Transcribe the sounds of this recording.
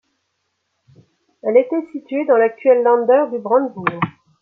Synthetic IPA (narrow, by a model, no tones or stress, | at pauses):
ɛlet̪ɛsit̪ɥed̪ɑ̃lak̚t̪ɥɛlːɑ̃d̪œʁd̪ybʁɑ̃d̪buʁ